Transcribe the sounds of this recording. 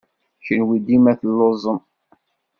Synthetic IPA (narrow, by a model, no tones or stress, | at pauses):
çənwid̪imæθəlːozˤəm